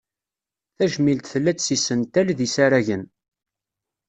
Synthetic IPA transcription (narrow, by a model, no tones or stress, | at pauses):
θæʒmilt̪θəlːæt͡ssisənt̪ælðisaɾæʝən